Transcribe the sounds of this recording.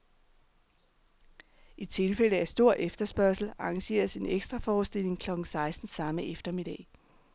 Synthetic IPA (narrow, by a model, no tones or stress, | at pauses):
ʔit͡sʰe̝lfel̰əæsd̥o̝ɐ̰ʔefd̥ɐsb̥ɶɐsl̩ɑ̈ŋɕe̝̰ːɐse̝neɡ̥sd̥ʁɑfɒːsd̥e̝l̰e̝ŋkʰlɒ̽ɡ̥n̩sɑ̈ɪsd̥n̩sɑ̈məʔefd̥ɐmid̥ɛ̰ɪ